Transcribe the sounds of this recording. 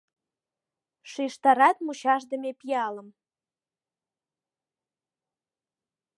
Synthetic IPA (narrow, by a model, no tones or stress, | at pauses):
ʃiʃt̪ɑɾɑt̪muɕɑʃ̬d̪ə̆mepijɑlə̆m